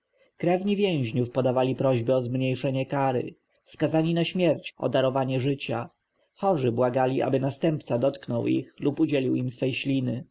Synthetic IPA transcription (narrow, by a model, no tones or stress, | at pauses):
kɾɛvɲivʲjɛ̃w̃ʑɲufpɔd̪avalʲipɾɔʑbɘɔzmɲejʂɛɲɛkaɾɘ̰ | fskazaɲinaɕmʲjɛɾt͡ɕʔɔ̰d̪aɾɔvaɲɛʐɘt͡ɕa | xɔʐɘbwaɡalʲiʔa̰bɘnast̪ɛmpt̪sad̪ɔt̪knɔwḭxlupud͡ʑɛlʲiwimsfɛjɕlʲinɘ